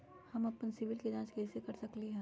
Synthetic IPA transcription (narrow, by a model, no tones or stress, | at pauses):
hɐmɐpənsɪʋɪlked͡ʒãːt͡ʃkɛːsekɐɾsɐkliɦɛ̃ː